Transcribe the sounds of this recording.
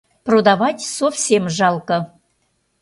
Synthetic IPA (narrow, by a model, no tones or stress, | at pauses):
prod̪avɑtʲsofsʲemʒɑlˠkə